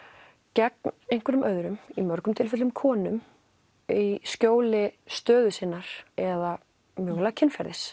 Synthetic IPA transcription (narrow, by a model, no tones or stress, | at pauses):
cɛknejŋ̥kʰvɛɾʏmʔœɥðɾʏmimœɾkʏmt̪ʰɪlfɛt̪lʏmkʰɔːnʏm | iscoːwlɪst̪œːðʏsɪnːaɾ̥ɛða | mʏɣlacʰɪnfɛɾðɪs